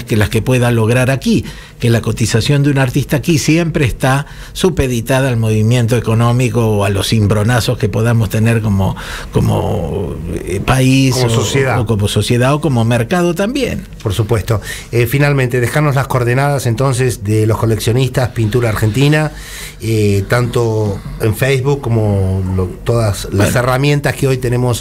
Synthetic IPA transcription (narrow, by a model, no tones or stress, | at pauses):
kelaskepwe̞ðalo̞ɣ̞ɾaɾaki | kelako̞t̪isasjo̞nd̪eunaɾt̪ist̪aːkisjempɾeːst̪a | supeðit̪aðaːlmo̞βimje̞nt̪oeko̞no̞mikoːalo̞simbɾo̞naso̞skepo̞ðamost̪eneɾko̞mo̰ko̞̰mo̰ | paisosjeðaokomoso̞sjeðaoko̞mo̞meɾkaðot̪ambjḛn | poɾsupwest̪o | efinalmẽnt̪e̞ðexanozlaskoɾðenaðasent̪o̞ns̬ezðelosko̞leksjo̞nist̪aspint̪uɾaːɾxent̪ina | et̪ant̪oeɱfejzβukːomolot̪oðasla̰seramjẽ̞nt̪askeo̞jt̪enemo̞s